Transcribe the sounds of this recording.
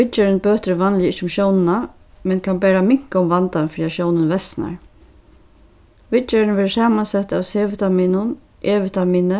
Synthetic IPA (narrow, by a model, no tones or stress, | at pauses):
ʋɪt͡ʃɛɾɪnbøːt̪ɾʋanlɪjɪt͡ʃʊmʃjownɪna | mɛnkʰanbɛːɾamɪŋ̥kaʊmvant̪anfɾiːaʃjoːwnənvɛsna̰ɹ | ʋɪt͡ʃɛɾɪnʋɛːɾəsaːmansɛt̪ːawseːʋɪt̪amiːnʊn | ʔeːʋɪt̪amiːnə